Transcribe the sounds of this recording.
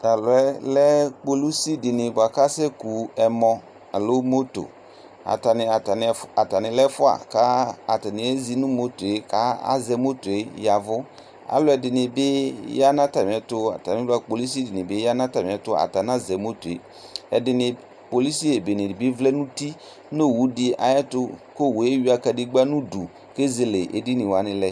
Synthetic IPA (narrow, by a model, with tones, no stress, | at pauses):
a˨lʊ˨ɛ˦lɛ˦k͡po˨lu˦si˦dɪ˨nɪ̃˨bʊ˨a˨ka˦sɛ˦ku˨ɛ˨mɔ̃˨ | a˨lo˦mo˦to̰˨ | a̰˨ta˨nɪ˨a˨ta˨n˨a˨ta˨nɪ̃˨lɛ˦fʊ˦a̰˨ka˦a˨ta˨nɪ̃˨ɛ˦zi˦nʊ̃˦mo˦to˨e˦ka˦a̰˦zɛ˨˦mo˦to˨e˦ja˨vʊ˦ | a̰˨˦lʊ˦ɛ˨dɪ˨nɪ̃˨bɪ˦ja˦nã˦ta˨m˨ɛ˨tʊ˦a̰˨ta˨mɪ̃˨˦a˦k͡po˨li˦s̬i˦dɪ˨nɪ̃˨be˦ja˦nã˦ta˨mɪ˨ɛ˨tʊ˦a̰˨ta˨n˦a˦zɛ˨mo˦to˨ḛ˨ | ɛ̰˨dɪ˨nɪ̃˨ | po˨li˦si˦e˨be˨nɪ̃˨ɪ˨bi˦vlɛ˦nũ˦ti˦ | no˦˨wu˦dɪ˦ʔa̰˨jɛ˦tʊ˦ko˦˨we˦ɥi˦a˦ka˨di˦ɡ͡ba˦nũ˦du˨ | ke˦ze˨le˨ʔḛ˨di˦nɪ̃˨wa˨˦nɪ̃˦lɛ˦